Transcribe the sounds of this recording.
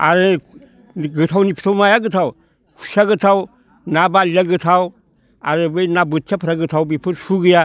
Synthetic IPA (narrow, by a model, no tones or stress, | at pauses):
a̰ɾɯ | ɡɯt̪ʰawnipʰt̪ʰawmajaɡɯt̪ʰaw | kʰu̥ʃaɡɯt̪ʰaw | nabaljaɡɯt̪ʰaw | a̰ɾɯbɯjnabɯt̪ʰjapʰəɾaɡɯt̪ʰawbipʰɯɾsuɡɯja